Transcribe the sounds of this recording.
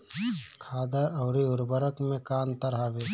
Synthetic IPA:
kʰaːd̪əɾɔːɾiʊɾbəɾəkmẽkaːnt̪əɾɦaːɡeː

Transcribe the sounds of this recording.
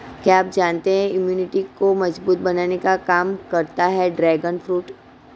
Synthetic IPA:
kjaaːpd͡ʒaːnt̪eɦɛ̃ɪmjuːnɪʈikomɐd͡ʒbuːt̪̚bɐnaːnekakaːmkɐɾt̪aɦɛɖɾɛːɡənfɾuːʈ

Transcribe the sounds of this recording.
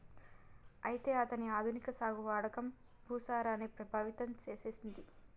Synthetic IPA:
ɐjit̪e̞ːɐt̪ɐniaːd̪ʱunikɐsaːɡuʋaːɽɐkɐm | bʱuːsaːɾaːnepɾɐbʱaːʋit̪ɐmt͡ʃe̞ːse̞ːsind̪i

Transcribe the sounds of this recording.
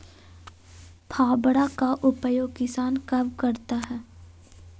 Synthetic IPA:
pʰaːbɽakaʔʊpəjoːɡkɪsaːnkɐbkɐɾt̪aɦɛː

